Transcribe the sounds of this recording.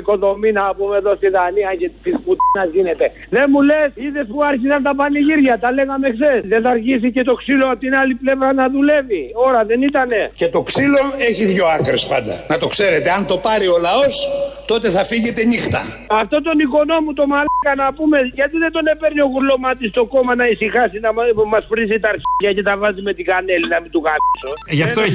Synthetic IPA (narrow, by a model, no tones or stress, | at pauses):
ko̞ðo̞minɐpumeðo̞st̪iðɐniɐcet̪sisput̪inɐzʝine̞t̪e̞ | ðe̞mule̞siðe̞spuɐɾçisɐnt̪ɐp̬ɐniʝiɾʝɐt̪ɐle̞ɣɐmeksesðeθɐɾʝisice̞t̪o̞ksiloɐpot̪inaliple̞vɾɐnɐðule̞vio̞ɾɐðe̞nit̪ɐne̞ce̞t̪o̞ksilo̞e̞çiðʝo̞ɐkɾespɐnd̪ɐ̰nɐt̪o̞kse̞ɾe̞t̪eɐnt̪o̞pɐɾio̞lɐo̞st̪ot̪e̞θɐfiʝe̞t̪e̞nixt̪ɐ̰ɐft̪o̞t̪o̞niko̞no̞mut̪o̞mɐlkɐnɐpume̞ʝɐt̪iðe̞nd̪o̞ne̞pe̞ɾnio̞ɣuɾlo̞mɐt̪ist̪o̞ko̞mɐnɐisixɐsinɐmɐspɾizit̪ɐaɾçiʝɐce̞t̪ɐvɐzime̞t̪iɡɐne̞linɐmind̪ukaisoʝɐftt̪oe